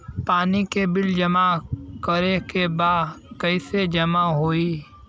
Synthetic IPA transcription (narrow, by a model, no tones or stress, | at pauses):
paːnikebɪld͡ʒɐmakəɾekebaːkəɪsed͡ʒɐmaɦoːiː